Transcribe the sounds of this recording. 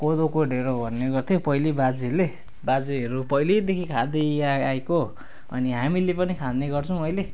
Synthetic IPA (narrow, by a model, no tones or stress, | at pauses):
kod̪okoɖʱeɾobʱʌnːeɡʌrt̪ʰjopʌjlibad͡zile | bad͡ziɦʌɾupʌjled̪ekʰikʰad̪eaajko | ʌ̰niɦamilepʌnikʰad̪neɡʌrt͡sʰʌw̃ʌjle